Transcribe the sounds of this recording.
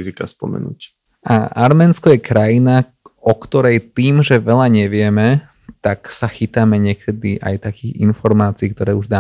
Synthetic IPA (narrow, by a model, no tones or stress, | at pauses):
zika̰spɔ̰mɛ̰nṵc | ʔa̰ʔaɾmɛːnskɔjɛkɾajina | ɔkt̪ɔɾɛjt̪iːmʒɛʋɛʎaɲɛʋɪɛmɛ | t̪aksaxit̪amɛɲɪɛkʰɛd̪iʔa̰jt̪akiːɣḭnfɔɾmaːt͡siːk̚t̪ɔɾɛːuʒd̪aː